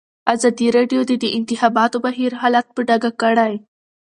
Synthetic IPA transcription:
azɑd̪iɾɑɖijod̪ed̪əʔɪnt̪ɪxɑbɑt̪obaɦiɾɦɑlat̪̚pəɖaɡakəɽaj

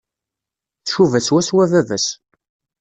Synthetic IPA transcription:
θʃuvæswæswævævæs

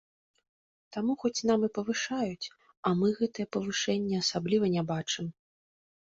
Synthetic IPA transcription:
t̪amuxɔt͡sʲnamɨpɐvɨʂajut͡sʲ | ɐmɨɣɛt̪ɨjɛpɐvɨʂɛnʲːɛɐsablʲivɐnʲabat͡ʂɨm

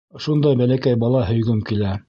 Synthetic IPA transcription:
ʃund̪ɑjbælækæjbɑlˠɑɦɵ̆jɡɵmkilæ

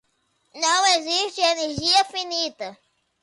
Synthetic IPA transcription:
nɐ̃w̃eziʃt͡ʃɪeneɾʒiɐfinit̪ɐ

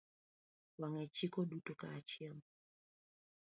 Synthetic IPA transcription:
βaŋɛt͡ʃikɔdutɔkat͡ʃiam

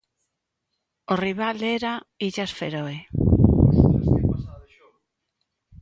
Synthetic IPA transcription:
oriβaleɾaiʎasfeɾoe | sesa

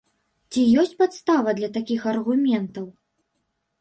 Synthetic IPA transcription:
t͡sʲijɔsʲt͡sʲpat̪st̪avɐd̪lʲɐt̪akʲixɐrɣumʲɛnt̪ɐw

